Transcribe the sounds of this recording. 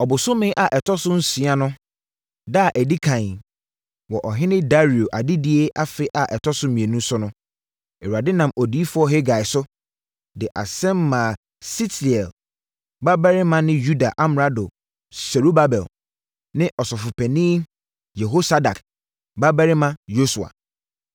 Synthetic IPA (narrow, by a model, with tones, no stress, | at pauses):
ɔ˨bʊ˨sʊ̃˦mɪ̃˦ʔa˨ʔɛ˨tʰɔ˦sʊ˦n̩˦si˨˦a˦nʊ̃˦ | da˦˨ʔɛ˨di˦kʰã˨ | wɔ˨ʔɔ˨ɦɪ̃˦nɪ̃˦da˦ɾi˨o˨ʔa˨dɪ˦di˦e˦ʔa˦fɪ˦ʔa˨ʔɛ˨tʰɔ˦sʊ˦mĩ˨e˨nũ˦sʊ˦nʊ̃˦ | ɛ˨wa˨dɪ˦nã˨mʔɔ˨di˨˦i˦fʊ˦ɔ˦ɦe˦ɡa˨ɪ˨sʊ˦ | dɪ˨ʔa̰˨sɛ̃˦mː˦ã˨ | si˦ti˨ɛ˨l | ba˦bɛ˦ɾɪ˦mã˦nɪ̃˦ju˦da˨ʔa˦m˨ɾa˦do˨ | sɛ˨ɾu˦ba˦bɛ˨l | nɪ̃˦ʔɔ˨sɔ˨fʊ˨pʰɛ˨nĩː˦ | jɛ˨ɦo˦sa˦da˨k | ba˦ba˦ɾɪ˦mã˦jo˦su˨a̰˨